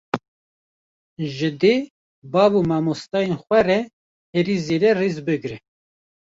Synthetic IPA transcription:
ʒɨd̪e | bɑːbumɑmost̪ɑːjenxʷwɛɾɛ | eɾizeɾɛriːzbɨɡɾɛ

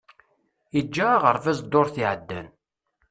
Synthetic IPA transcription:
id͡ʒːaʁəɾˤfæzd̪ːoɾθiʕəd̪ːæ̰n

